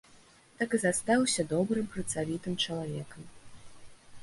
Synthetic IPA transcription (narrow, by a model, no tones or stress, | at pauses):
t̪akɨzast̪awsʲɐd̪ɔbɾɨmpɾɐt̪savʲit̪ɨmt͡ʂɐlˠavʲɛkɐm